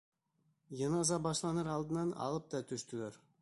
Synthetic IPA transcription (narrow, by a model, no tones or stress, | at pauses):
jɤnɑzɑbɑʃlˠɑnɤɾɑlˠd̪ənɑnɑ̰lˠəp̚t̪ɑt̪ʰʏʃt̪yleɾ